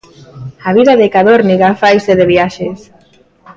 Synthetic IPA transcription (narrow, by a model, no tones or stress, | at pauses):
aβiðaðekaðoɾniɣafajseðeβiaʃes